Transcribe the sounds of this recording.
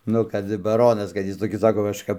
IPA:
ˈnʊ kɐt bɐˈroːnɐs kɐt ˈjɪs toːˈkʲɪs ˈsɑːkoː kɐʃˈkɐp

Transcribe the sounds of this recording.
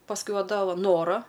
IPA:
pɐsˈkʊɪ ˈʋɐ ˈdɐ ˈʋɐ ˈnoːrɐ

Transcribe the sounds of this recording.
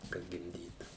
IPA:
kɐt ɡʲɪmʲˈdʲiːtuː

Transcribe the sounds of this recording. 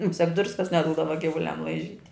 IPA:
mʊˈsʲɛk ˈdrʊskɐs nʲɛˈduːdɐʋɐ ɡʲɪʋʊˈlʲɛm lˠɐɪˈʒʲiːtʲ

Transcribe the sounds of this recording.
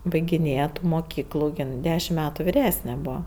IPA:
bɐɪɡʲɪˈnʲeːjɛ ˈtuː moːˈkʲiːklˠuː ˈjɪn ˈdʲæːʃʲɪm ˈmʲæːtʊ ʋʲɪˈrʲæːsʲnʲɛ ˈbuːʋɐ

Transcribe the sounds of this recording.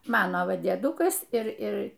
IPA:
ˈmɑːnoː ˈʋɐ dʲiɛˈdʊkɐs ˈɪr ˈɪr

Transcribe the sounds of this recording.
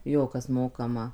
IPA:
ˈjoː ˈkɐs ˈmoːkɐmɐ

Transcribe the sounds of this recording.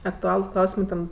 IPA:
ɐkˈtʊɐlˠʊs ˈklˠɐʊsʲɪmɜ ˈtʲɛn

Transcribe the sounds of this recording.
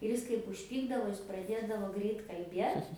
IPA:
ɪr ˈɪs kɐɪp ʊʃʲˈpʲiːɡdɐʋoː ˈjɪs prɐˈdʲeːdɐʋoː ˈɡrʲɛɪt kɐlʲˈbʲiɛt

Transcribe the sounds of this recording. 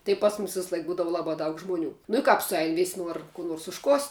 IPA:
tɐɪ ˈpɐs mʊmʲɪs ʋʲɪsˈlˠɐɪk ˈbuːdɐʋʊ ˈlˠɑːbɑː dɐʊk ˈʒmʊˌnʲuː nʊ ɪ ˈkɑːp sʊˈɛɪn ʋʲɪsʲ ˈnuɔr kuː ˈnoːrs ʊʃˈkoːsʲtʲ

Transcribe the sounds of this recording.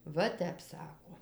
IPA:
ˈʋɐ ˈtʲɛp ˈsɑːkoː

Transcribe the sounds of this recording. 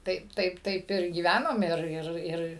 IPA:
ˈtɐɪp ˈtɐɪp ˈtɐɪp ɪr ɡʲiːˈʋʲænoːm ˈɪr ˈɪr ˈɪr

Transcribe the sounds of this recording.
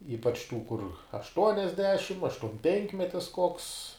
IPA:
ˈiːpɐt͡ʃ tuː kʊr ɐʃˈtuɔnʲɛzʲdʲɛʃʲɪm ɐʃtuɔmʲˈpʲɛŋkmʲɛtʲɪs koːks

